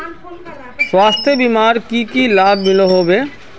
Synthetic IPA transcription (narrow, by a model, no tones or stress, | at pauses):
swaːst̪ʰjebimaːɾkikilaːbʱmɪloɦoːbeː